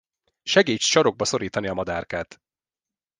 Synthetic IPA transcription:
ʃɛɡeːt͡ʃʃɒɾo̞ɡ̚bɒso̞ɾiːt̪ɒniɒmɒd̪aːrkaːt̪

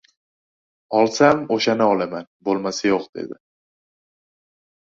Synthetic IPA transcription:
ɒlˠsamoʃanɪɒlˠamanbolˠmasajoqd̪̥e̞̰d̪ɪ

